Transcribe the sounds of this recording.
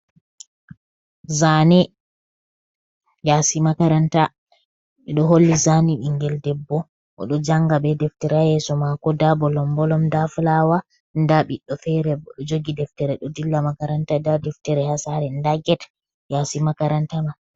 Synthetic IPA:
zanɛ | jasimakaɾanta | ɓɛɗɔɦolːizaniɗiŋɡɛldɛbːɔ | ʔɔ̰ɗɔd͡ʒaŋɡabɛdɛftɛɾajɛsɔmakɔdabɔlɔmbɔlɔmdafulawa | ndaɓiɗːɔfɛɾɛbɔɗɔd͡ʒoɡidɛftɛɾɛɗɔdilːamakaɾantadadɛftɛɾɛhasaɾɛndaɡɛt | jasimakaɾantama

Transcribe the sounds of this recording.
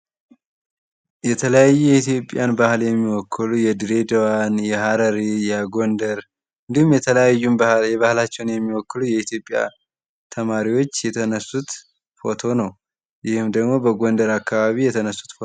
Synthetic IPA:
jɛt̪ʰələjajːujɛit̪ijo̞pʼːjanbahljɛmːiwɔkʰːɨlujɛd̪ɨɾe̞d̪əwanjɛhaɾəɾijaɡo̞nd̪əɾ | ɨnd̪ihumjɛt̪ʰələjajːumjɛβahlat͡ʃːɛwnjɛmːiwɔkːɨlujɛit̪ʰjo̞pʼːja̰ | t̪ʰəmaɾiwo̞t͡ʃːjɛt̪ʰənəsut̪ | fo̞t̪ʰo̞nəw | jɪhɨmd̪əɡmo̞bəɡo̞nd̪əɾakːaβaβijɛt̪ʰənəsːu̥t̪fo

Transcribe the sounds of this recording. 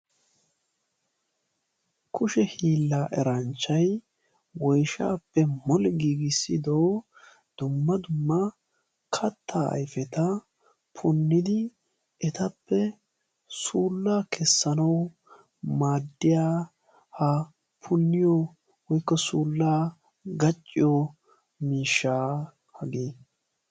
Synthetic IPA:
kʰʊʃɛhiːlːaːʔɛɾɐnt͡ʃːɐj | wɔjʃa̰ːpːɛmɔlɡiːɡɪsːɪd̪ow | d̪̥ʊmːɐd̪ʊmːɐ | kʰɐt̪ʰːaːɐ̰jfɛt̪ɐ | pʰʊnːɪd̪ɪ | ɛt̪ɐpːɛ | suːlːaːkʰɛsːɐnɐw | maːd̪ːɪjaː | hɐ | pʰʊnːɪjo | wɔjkːɔsuːlːaː | ɡɐt͡ʃʼːɪjo | miːʃːaː | hɐɡiː

